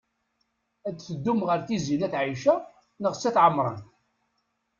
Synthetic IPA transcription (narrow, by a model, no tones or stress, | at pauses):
æt͡sːθəd̪ːumʁəɾθizinæθʕiʃæ | nəʁsæθʕəmɾˤə̰n